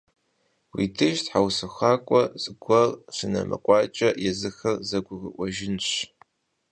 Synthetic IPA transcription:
wḭtʰɨʃtħawsɨxʷaːkʷʼɔsʼɨɡʷɐrɕɨnɐ̰mɨ̰qʷʼɑːt͡ʃʼɐjɛzɨxɐrzɐɡʷʊɣɨʔʷʼɔʒɪnɕ

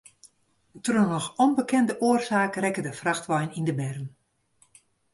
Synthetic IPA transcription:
trunɔxɔnbəkɛndəʔoərsaːkrɛkədəfraxtʋajnindəbɛrən

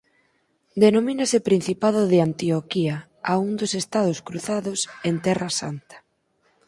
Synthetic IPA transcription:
d̪enominasɪpɾin̟θipaðʊðeant̪iokia | aund̪osest̪að̞ʊskɾuθaðʊsent̪ɛrasant̪ḁ

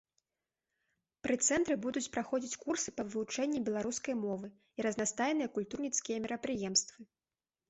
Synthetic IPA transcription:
pɾɨt̪sɛnt̪ɾɨbud̪ut͡sʲpɾaxɔd͡zʲit͡sʲkursɨ̥pɐvɨut͡ʂɛnʲːibʲɛlˠaɾuskɐjmɔvɨ | iɾɐznast̪ajɛnɨjɐkulʲt̪urnʲit̪skʲijɐmʲɛɾɐpɾɨjɛmst̪vɨ

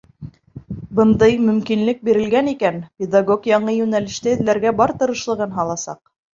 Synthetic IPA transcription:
bɤ̆nd̪ɤjmɵ̆mkinlɘk̚biɾɘ̆lɡænikænpʲed̪aɡokjɑɴɤjʉnælɘ̆ʃt̪æɘ̆ðlæɾɡæbɑɾt̪ɤ̆ɾɤ̆ʃlˠɤ̆ʁɤnɦɑlˠɑsɑ̰q

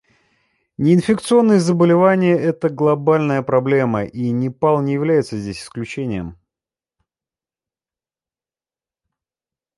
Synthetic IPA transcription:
nʲɪɪnfʲɪk̚t̪sɨo̞nːəjəzəbəlʲɪvanʲɪjəʔɛt̪əɡlˠɐbalʲnəjəpɾɐblʲe̞məʔinʲɪpalˠnʲɪjɪvlʲæjɪt̪səzʲdʲesʲɪ̥sklʲʉt͡ɕenʲɪjəm

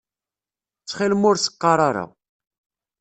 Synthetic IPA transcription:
t͡sːχilmʊɾsə̥qːɑɾˤaɾa̰w

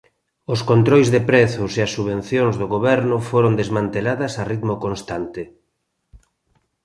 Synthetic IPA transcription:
ʊskont̪ɾojzðepɾɛθʊseɐsːuβẽnθjoŋzðoɣoβɛɾnʊfoɾond̪ezmãnt̪elaðɐsarit̪mokonst̪ant̪ɪ

